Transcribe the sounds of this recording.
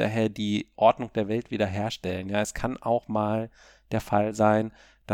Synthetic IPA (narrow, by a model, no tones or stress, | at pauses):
a̰ːɦeːɐdiːʔɔɐdnʊŋd̥eːɐvɛltv̥iːdɐɦeːɐʃtɛlənjaːɛskʰanʔaʊxmaːl | d̥eːɐfalzaɪn | d̥a